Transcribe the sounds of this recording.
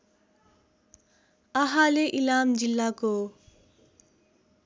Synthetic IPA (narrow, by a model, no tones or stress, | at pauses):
ʌɦaleʔilamd͡zilːako